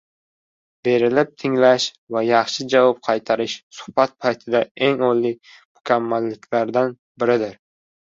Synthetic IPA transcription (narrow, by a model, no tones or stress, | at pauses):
b̥e̞ɾɪlɪp̚t̪ʰɪŋlaʃ | vajɑχʃɪd͡ʒavɒp̚qʰɑjt̪ʰaɾɪʃsʊ̥hbat̪̚pʰajt̪ʰɪd̪ae̞ŋɒlːɪ | mʊkʲʰamːalːɪkʲlaɾd̪an | bɪɾɪd̪ɪɾ